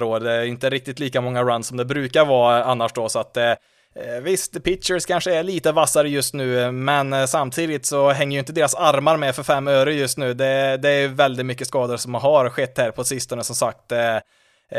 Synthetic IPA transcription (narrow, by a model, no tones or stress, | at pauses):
ɾoːɾd̪ɛɪnt̪əɾɪk̚t̪ɪt̪liːkamɔŋːaɾansɔmd̪ɛbɾʉ̟ːkaɾvɑːanːaʂd̪ɔsɔat̪ | vɪst̪pʰɪt̪ʂəɾskʰanʂəɛɭiːt̪əvasaɾəjɵst̪nʉ̟ːmɛnsamːt̪ʰiːd̪ɪt̪sɔɦɛŋːəjʏɪnt̪əd̪eːɾasaɾmaɾmɛfœɾfɛmːøːɾəjɵst̪nʉ̟ːd̪ɛd̪ɛːɾjɵvɛld̪ɪt̪mʏkːəskɑːd̪əɾsɔmɦaɾɧɛt̪ːhæːɾpʰɔsɪst̪ɔnəsɔmsak̚t̪